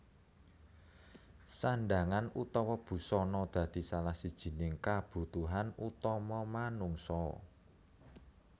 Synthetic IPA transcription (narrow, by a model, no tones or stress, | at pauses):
saɳɖaŋanut̪ɔwɔb̥ṳsɔnɔd̪̥ä̤d̪̥i̤salahsid̥ʒ̥i̤nɪŋkab̥ṳt̪uɦanut̪ɔmɔmanuŋsɔ